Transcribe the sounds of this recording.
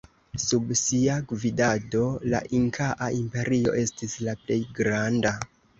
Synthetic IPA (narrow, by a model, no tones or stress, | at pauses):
subsiaɡvidado̞la̰ʔiŋkʰaʔaimpe̞ɾio̞̰ʔe̞stislaple̞jɡɾanda